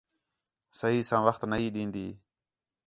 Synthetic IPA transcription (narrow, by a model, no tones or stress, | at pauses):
səɦiːsãːʋəxt̪nəɦiːɗĩːnd̪iː